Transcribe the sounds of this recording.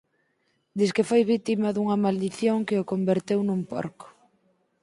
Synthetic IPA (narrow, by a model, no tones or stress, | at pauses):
d̪iskefojβ̞it̪imaðuŋɐmald̪iθjoŋkeokombeɾt̪ewnũmpɔ̰ɾkʊ̥